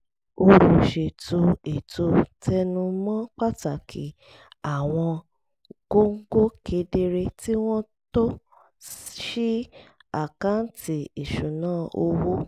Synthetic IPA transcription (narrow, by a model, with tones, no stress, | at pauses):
o˧ɾu˨ʃe˨to˧e˨tʰo˧tʰɛ˧nũ˧mɔ̃˦k͡pa˦ta˨kʰḭ˨˦ | a˨w̃ɔ̃˧ | ɡ̥o˦ŋ̩˦ɡo˦kʰe˧de˧ɾe˧ti˦w̃ɔ̃˦ | to˦ | ʃi˦a˦˨ka˨˦n˦ti˨i˨ʃũ˨nãː˦˨o˧wu˦